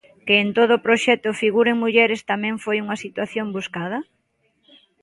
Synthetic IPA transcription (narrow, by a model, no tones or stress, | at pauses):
keːnt̪oð̞ʊpɾoʃɛt̪ʊfiɣuɾeŋmuʎɛɾɪst̪amɛ̃ŋfojuŋɐsit̪waθjombuskað̞ɐ